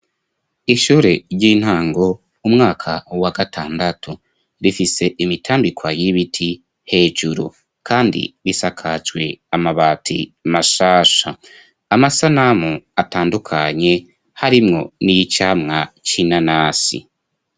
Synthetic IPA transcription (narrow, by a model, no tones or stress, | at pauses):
iʃuːɾe̞ɾɟiːn̥haːŋɡo̞ | umŋaːkʰawaɡatʰaːndatʰu | βifise̞ʔimitʰaːmbikwajiβitʰi | he̞ːd͡ʒuɾṵ | kʰaːndḭβisakʰat͡ʃɡwe̞amaβaːtʰḭmaʃaːʃa | amasanamuataːndukʰaɲe̞ | haɾimŋo̞̰nijit͡ʃaːmŋat͡ʃinanaːsḭ